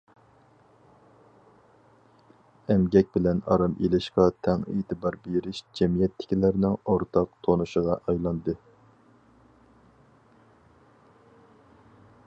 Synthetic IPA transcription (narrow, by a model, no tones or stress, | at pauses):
ɛmɡʲɛk̚ʲbɪlɛnɑ̰ɾɑmʔelɪʃqɑt̪ʰɛŋḛːt̪ʰɨbɑɾbeɾɪʃd͡ʒɛmijɛt̪ʰːɪ̥kʲilæɾnɪŋoɾt̪ʰɑqt̪ʰonuʃəʁɑʔɑjlˠɑnd̪ɨ